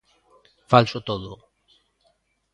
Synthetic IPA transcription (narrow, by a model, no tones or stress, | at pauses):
falsot̪oðo